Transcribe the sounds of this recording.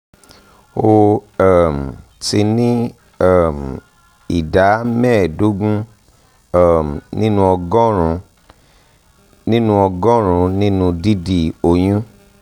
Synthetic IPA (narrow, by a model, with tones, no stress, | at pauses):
o˧ɛ˦˨m̩˨ | ti˧nĩ˦ | ɛ˦˨m | i˨da˨˦mɛ̃˦˨do˦ɡũ˦ | ɛ˦˨m˨nĩ˦nũ˦ɔ˧ɡɔ˦ɾũ˧ | nĩ˦nũ˦ɔ˧ɡɔ̃˦ɾ̃ũ˧nĩ˦nũ˧di˦di˨o˧j̃ũ˦